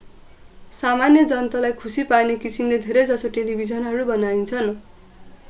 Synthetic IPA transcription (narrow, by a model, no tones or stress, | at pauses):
samanjʌd͡zʌnt̪ʌlajkʰusiparnekisinled̪ʱeɾed͡zʌsoʈelibʱid͡zʌnɦʌɾubʌnaint͡sʰʌn